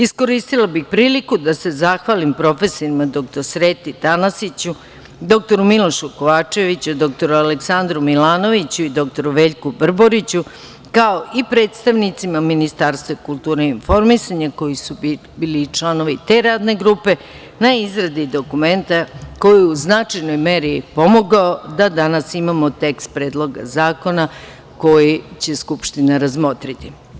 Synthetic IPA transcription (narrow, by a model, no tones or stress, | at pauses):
isko̞ɾist̪ilˠabixpɾiːlikud̪ase̞zaxʋalimpɾo̞fe̞soɾimad̪o̞kt̪o̞ɾsɾe̞ːt̪it̪anasit͡ɕu | d̪o̞k̚t̪o̞ɾumilo̞ʃuko̞ʋaːt͡ʂeʋit͡ɕud̪o̞k̚t̪o̞ɾualeksand̪ɾumilaːno̞ʋit͡ɕuid̪o̞k̚t̪o̞ɾuʋe̞ːʎkubr̩bo̞ɾit͡ɕu | kaoʔipɾe̞ːt̪st̪aʋnit̪simaminist̪aːɾst̪ʋakulˠt̪uːɾeinfo̞ɾmisaɲako̞jisu | bilit͡ʂlˠano̞ʋit̪e̞ɾaːd̪ne̞ɡɾupe̞ | naizɾad̪id̪okume̞nt̪ako̞jiuznat͡ʂajnojmeɾipo̞mo̞ɡaod̪ad̪anasimamo̞t̪e̞kst̪̚pɾe̞ːd̪lˠo̞ɡa̰zaːko̞na | ko̞jit͡ɕe̞skupʃt̪inaɾazmo̞t̪ɾit̪i